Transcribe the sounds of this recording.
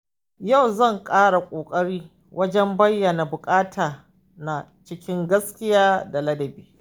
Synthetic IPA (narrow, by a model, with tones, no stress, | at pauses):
ja˦˨wzɐ˦˨ŋkʼaː˦ɽa˨kʷʼoː˨kʼɐ˦ɽiː˦ | wʔɐ˦d͡ʒɛ˦mbɐ˦jːɐ˨na˨bʊ˨kʼaː˦tʰaː˨ | na˨ | t͡ʃɪ˦kʲɪ˦ŋɡɐ˦skʲɪ˦jaː˦da˨lɐ˦dɐ˨biː˦